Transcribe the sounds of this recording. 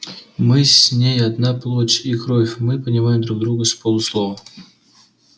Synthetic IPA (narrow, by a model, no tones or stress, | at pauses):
mɨsʲnʲejɐd̪naplˠot͡ɕʲikɾofʲmɨpənʲɪmajɪmd̪ɾuɡ̚d̪ɾuɡəsʲpolˠʊslˠovə